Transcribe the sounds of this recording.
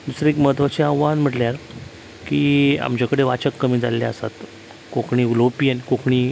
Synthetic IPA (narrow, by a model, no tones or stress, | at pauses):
d̪usɾəekməɦt̪ʋat͡ɕeaʋʋanm̤əʈleaɾ | kiːa̰mt͡ɕakəɽeʋat͡ɕəkːəmiːd͡za̰lːa̰ə̰sa̰t̪ | kokʰɳiːulopiənkokɳiː